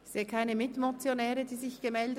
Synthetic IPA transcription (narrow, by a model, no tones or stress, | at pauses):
seːkʰaɪnəmɪtmot͡sjonɛːʁədiːzɪçɡ̥əmɛldə